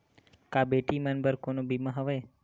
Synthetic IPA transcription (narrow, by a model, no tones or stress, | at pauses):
kabeʈimãnbəɾkonobimãɦəʋe